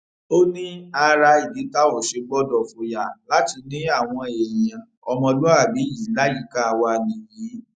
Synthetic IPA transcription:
o˦nĩ˦a˧ɾa˧i˨di˨˦ta˦wɔ˦˨ʃe˧ɡ͡bɔ˦dɔ˨fo˨ja˨la˨˦ti˧nĩ˦a˦˨w̃ɔ̃˧e˨jɛ˨jã˧ | ɔ˧mɔ̃˧lo˦a˦˨bi˨˦ji˨˦la˦ji˦˨ka˦˨wa˧˨nĩ˨ji˨˦

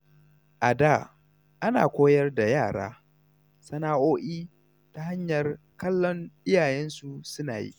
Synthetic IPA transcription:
ʔa˨daː˦˨ | ʔa˦na̰ː˨kʷoː˦jɐ˦rda˨jaː˦˨ɽa̰ː˦ | sɐ˨naː˦ʔoː˦ʔiː˦ | ta˨ha˦ɲjɐ˨r | kɐ˦lːɔ˦nʔɪ˦jaː˨jɛ˦nsu˨sʊ˦naː˨jḭ˦

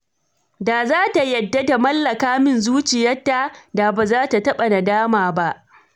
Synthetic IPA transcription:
daː˨zaː˦ta˨jɐ˨dːa˦da˨mɐ˦lːɐ˨kaː˦mɪ˦nzuː˦t͡ʃɪ˨jɐ˦tːa˦˨da˨baː˨zaː˦ta˨tɐ˦ɓa˨na˨daː˦maː˨ba˦ʔ

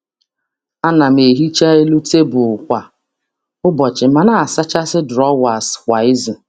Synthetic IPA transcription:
a˦na˨m̩˨e˨ɦi˦t͡ʃa˦e˦lu˦te˦bʊ˨ʊ˨kʷa˨ | ʊ˦bɔ˨t͡ʃɪ˨ma˨na˦˨a˨sa˦t͡ʃa˦sɪ˦dɾɔ˦wa˨skʷa˨ɪ˦zʊ˨

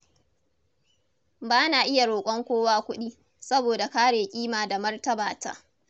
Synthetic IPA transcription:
baː˦naː˨ʔɪ˦ja˨ɽoː˨kʷʼɔ˦ŋkʷoː˦waː˦kʷʊ˦ɗiː˦ | sɐ˦boː˨da˨kaː˦ɽeː˨kʲʼiː˦maː˨da˨mɐ˦rtɐ˦baː˨ta̰ː˦

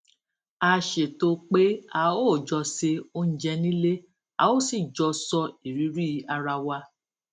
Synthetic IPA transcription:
a˧ʃe˨to˧˦k͡pe˦a˧o˦˨d͡ʒɔ˧se˧o˧n̩˨d͡ʒɛ˧nĩ˦le˦ | a̰˧˦o˦si˦˨d͡ʒɔ˧sɔ˧i˨ɾi˨˦ɾi˦a˧ɾa˧wa˧

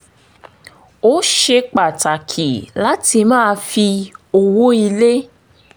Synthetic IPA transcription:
o˦ʃe˧k͡pa˨ta˨kʰi˨la˦ti˧mãː˦˧fi˧o˧wo˦i˧le˦

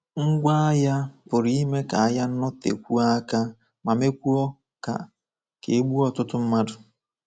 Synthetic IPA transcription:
ŋ̩˦ɡʷa˦a˦ja˦pʊ˨ɾi˦i˦me˦ka˨a˨ja˦n̩˦nɔ˦tḛ˨kʷu˦a˦ka˦ | ma˨me˦kʷu˦ɔ˦ | ka̰˨ | ke˨e˦ɡ͡bu˦ɔ˨tʊ˦tʊ˦m̩˦ma˦dʊ˨

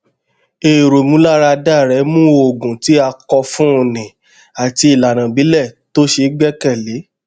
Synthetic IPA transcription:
e˨ɾo˨mũ˨˦la˦ɾa˧da˦˨ɾɛ˨˦mũ˦o˦˨ɡũ˨ti˨˦a˧kɔ˧fũ˦o˧nĩ˨ | a˨ti˧i˨la˨nã˨bi˨˦lɛ˦˨to˦ʃe˧ɡ͡bɛ˦kɛ˦˨le˨˦

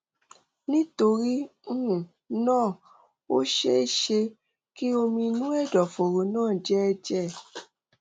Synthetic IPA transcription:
nĩ˦to˧ɾi˦u˦ũ˨ | nãː˦˨ | o̰˦ʃe˦i˦˨ʃe˧ | ki˦o˧mĩ˧nũ˦ɛ˦˨dɔ˨fo˨ɾo˨˦nãː˦˨d͡ʒɛ˦˧d͡ʒɛ˦˨

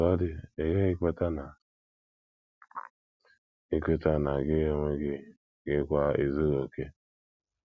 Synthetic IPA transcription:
ɔ˦dɪ˦e˨ɡe˦ɣɪ˦ke˦ta˦na˨ | i˦kʷe˦ta˦na˨ɡɪ˦o˦ŋe˦ɡɪ˦ | ɡɪ˦kʷa˦i˨zi˦ɾo˨ke˦

